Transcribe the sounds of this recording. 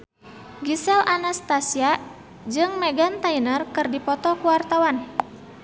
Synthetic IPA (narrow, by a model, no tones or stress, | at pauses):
ɡisɛlʔanast̪asia | d͡ʒɨŋmɛɡant̪ainərkɨrdipɔt̪ɔkuwart̪awan